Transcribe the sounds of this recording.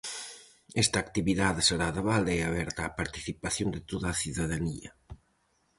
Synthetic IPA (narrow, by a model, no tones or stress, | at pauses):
ɛst̪aːkt̪iβiðaðseɾaðeβald̪eaβɛɾt̪aːpaɾt̪i̥θipaθjond̪ɪt̪oðaːθiðaðanḭɐ̰